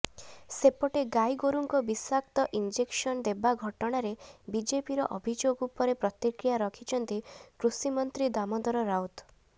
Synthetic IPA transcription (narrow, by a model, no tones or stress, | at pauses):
sepɔʈeɡajɡoɾuŋkɔbisakt̪ɔʔind͡ʒeksɔnd̪ebaɡʱɔʈɔɽ̃aɾebid͡ʒepiɾɔ̰ʔɔbʱid͡ʒoɡupɔɾepɾɔt̪ikɾijaɾɔkʰit͡ʃʰɔnt̪ikɾusimɔnt̪ɾid̪amɔd̪ɔɾɔɾawt̪